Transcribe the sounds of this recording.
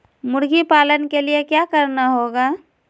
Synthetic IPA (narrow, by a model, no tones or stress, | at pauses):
mʊɽɡipaːlənkeliekjakəɾnaɦoːɡaː